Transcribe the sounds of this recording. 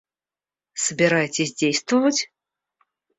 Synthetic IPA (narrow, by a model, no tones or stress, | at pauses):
sbʲɛɾajt͡sʲezʲd͡zʲejst̪vɐvɐt͡sʲ